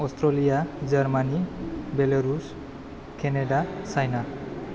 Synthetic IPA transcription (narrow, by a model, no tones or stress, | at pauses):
ɔst̪ɾɔlijad͡ʒaɾmanibelaɾus | keneɖasajna